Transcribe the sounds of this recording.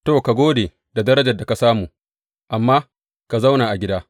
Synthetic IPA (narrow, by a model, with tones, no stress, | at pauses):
to˦˨ka˨ɡʷoː˦deː˨ | da˨dɐ˦ɾɐ˦d͡ʒɐ˨da˨ka˨saː˦muː˨ | ʔa˨mːaː˦ | ka˨za˦wnaː˨ʔa˨ɡʲɪ˦daː˦